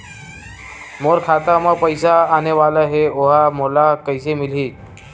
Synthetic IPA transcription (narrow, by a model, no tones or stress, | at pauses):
moɾkʰat̪aməpəjsaːneʋaləɦeoɦamolakəjsemil̤iː